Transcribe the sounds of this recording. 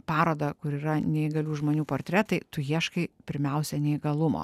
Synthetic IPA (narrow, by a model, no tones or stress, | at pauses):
pɑːɾoːd̪ɐkʊɾiːɾɐnʲɛɪɡɐlʲuːʒmoːnʲuːpoːɾʲt̪ʲɾʲɛt̪ɐɪt̪ʊjiɛʃkɐɪpʲɪɾʲmʲɛʊsʲɛnʲɛɪɡɐlˠʊmo̰ː